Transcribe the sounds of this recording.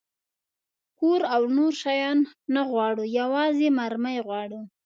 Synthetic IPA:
koɾawnoɾʃɑjɑnːaɣwɑɽujawɑzemaɾməjɣwɑɽu

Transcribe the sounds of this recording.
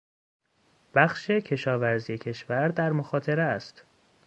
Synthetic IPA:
b̥æxʃe̞cʰe̞ʃɒːvæɾzije̞cʰe̞ʃvæɾd̪æɾmoxɒːt̪ʰe̞ɾest̪

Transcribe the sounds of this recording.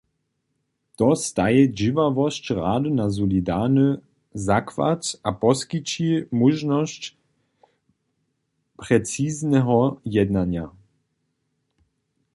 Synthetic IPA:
t̪ɔst̪ajɛd͡ʑivavɔst͡ɕʁa̰ːdɨnazɔlidanə | zakva̰tapɔskit͡ʃimuʒnɔst͡ɕ | pɾɛt͡siznɛɦɔjɛd̪naɲja̰

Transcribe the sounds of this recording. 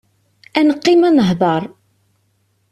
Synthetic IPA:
ænəqːɪmænəɦðˤɑɾˤ

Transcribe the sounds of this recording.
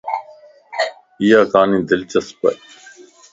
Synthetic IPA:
ijaːkaːnĩːd̪ɪlt͡ʃəspɐ̰

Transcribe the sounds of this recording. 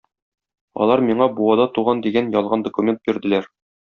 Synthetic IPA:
ɒ̰lˠɑɾmiɴɑbuwɑd̪ɑt̪uʁɑnd̪iɡænjɒlˠʁɑnd̪okumʲe̞nt̪̚biɾd̪ɘ̆læɾ

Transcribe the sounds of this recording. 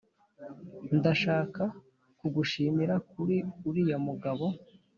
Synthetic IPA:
ndaʃaːka | kuɡuʃiːmiɾakuɾiuɾijomuɡaβo̞

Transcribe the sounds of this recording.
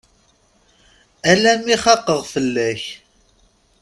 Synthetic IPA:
ælæmiχɑqːəʁfəlːæç

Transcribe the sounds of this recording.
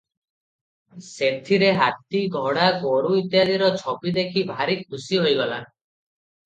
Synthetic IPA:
set̪ʰiɾeɦat̪iɡʱɔɽaɡoɽuit̪jad̪iɾɔt͡ʃʰɔpid̪ekʰibʱaɾik̚ʰːusiɦojɡɔla̰

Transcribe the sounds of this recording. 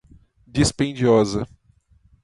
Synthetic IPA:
d͡ʒispẽd͡ʒiɔzɐ

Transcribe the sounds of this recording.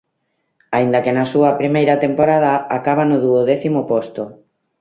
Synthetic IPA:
aind̪ɐkenɐsuɐpɾimejɾɐt̪empoɾað̞ɐakaβanʊðuoðɛθimʊpost̪ʊ

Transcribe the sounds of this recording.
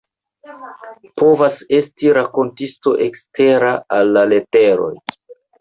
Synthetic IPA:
po̞vase̞stiɾako̞ntisto̞ʔe̞kste̞ɾaalːale̞te̞ɾo̞̰j

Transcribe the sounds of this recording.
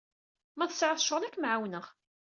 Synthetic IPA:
mæθə̥sʕəθə̥ʃʁənækːmʕawnəʁ

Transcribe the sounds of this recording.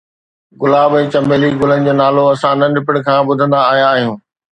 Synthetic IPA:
ɡʊlaːbɛ̃ːt͡ɕɐmbeːliɡʊlənɪ̆d͡ʑoːnaːloɐsãnɐnɪpɪɽkʰãːbʊd̪ʱə̃nd̪aːɦijãːɦijũː

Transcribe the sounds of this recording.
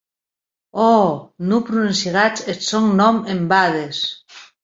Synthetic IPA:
ɔnupɾuensiɣat͡ʃetsoŋnomembaðes

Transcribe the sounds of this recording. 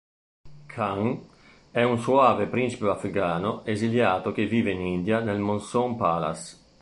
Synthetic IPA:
kʰaŋ | ɛunsuaːvepɾint͡ʃi̥peafɾikaːnoeziljaːt̪ok̟eviːveinind̪janelmonsɔŋpaːla̰s

